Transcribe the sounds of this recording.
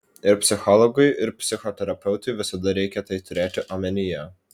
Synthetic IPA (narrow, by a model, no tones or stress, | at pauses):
ɪɾpʲsʲɪxɔlˠɔɡɐɪʔɪɾpʲsʲɪxɔt̪ʲɛɾɐpʲɛʊt̪ɐɪʋʲɪsɐd̪ɐɾʲɛɪkʲɛt̪ɐɪt̪ʊɾʲeːt̪ʲɪʔɐmʲɛnʲɪjɛ